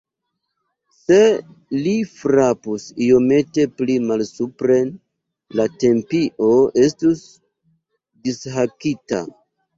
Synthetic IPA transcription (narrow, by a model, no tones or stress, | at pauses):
se̞ | lifɾapusio̞me̞te̞plimalsupɾe̞n | late̞mpiʔo̞e̞stus | disɦakita̰